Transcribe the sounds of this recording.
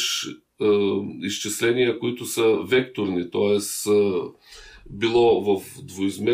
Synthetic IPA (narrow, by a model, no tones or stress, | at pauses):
ʃ | ist͡ʃɛslɛnijəkoit̪ʊsəvɛkt̪oɾnit̪ɔɛs | bilˠɔvəfd̪voizmɛ